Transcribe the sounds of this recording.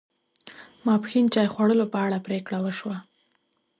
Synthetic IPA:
mɑpxint͡ʃɑjxwaɽəlopəaɽapɾekɽawəʃwa

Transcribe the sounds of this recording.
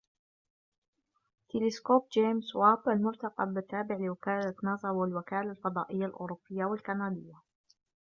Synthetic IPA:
t̪ɪlɪskoːb̚d͡ʒeːmswaːbalmʊɾt̪ɑqɑbɪt̪ːaːbɪʕlɪwakaːlat̪nɑːzˤɑwɪlwakaːlalfɑd̪ˤɑːʔɪjːalʔʊ̰ːɾʊbːɪjːawalkanaːd̪ɪjːa

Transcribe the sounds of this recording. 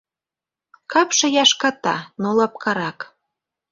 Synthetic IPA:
kɑpʃɤ̆jɑʃkɑt̪ɑ̰nolɑp̚kɑɾɑk

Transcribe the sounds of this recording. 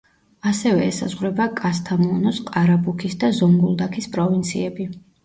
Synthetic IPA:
asɛvɛːsa̰zʁwɾɛbakʼas̬t̪ʰamɔnɔsqʼaɾabukʰisd̪azɔŋɡulˠd̪akʰispʼɾɔvint̪sʰḭɛbi

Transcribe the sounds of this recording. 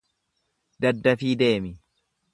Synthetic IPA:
d̪ɐd̪ːɐfiːd̪e̞ːmɪ

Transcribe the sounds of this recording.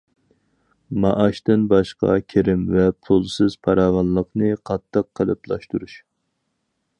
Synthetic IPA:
mɑʔɑʃt̪ɪnbɑʃqɑ̰kʲʰeɾɪmvɛpʰulˠsɨz̥pʰɑɾɑːvɑnlˠəqnɨqʰɑt̪ʰːəqʰːəlˠɨplˠɑʃt̪uɾuʃ

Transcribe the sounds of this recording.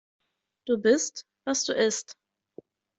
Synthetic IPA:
d̥uːbɪst | vasd̥uːʔɪst

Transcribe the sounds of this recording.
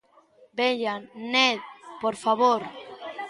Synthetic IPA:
beʎanɛðpoɾfaβoɾ

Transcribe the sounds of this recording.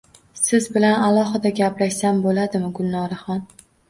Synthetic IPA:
sɪzbɪlanalˠɒɦɪd̪aɡʲaplaʃsambolad̪ɪmɪɡʊlˠnɒɾaχɒn

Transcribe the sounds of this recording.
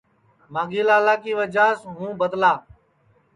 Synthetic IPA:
mãːɡiːlaːlaːkiːʋəd͡ʒaːsɦũːbət̪laː

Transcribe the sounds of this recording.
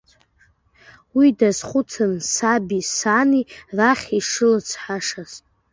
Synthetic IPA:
widazχʷʊt͡sʰɨnsabisaniraχʲiʂɨlɨt͡sʷʰħaʂazʼ

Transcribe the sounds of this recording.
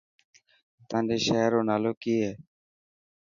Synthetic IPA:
t̪ãːnɗeːʃeːɾoːnaːloːkiːɦɛː

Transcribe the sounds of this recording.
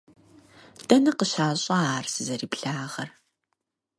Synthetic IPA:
d̥ɐnɨqəɕaːɕʼɐaːrsɨzɐɾiːpɬaːʁɐr

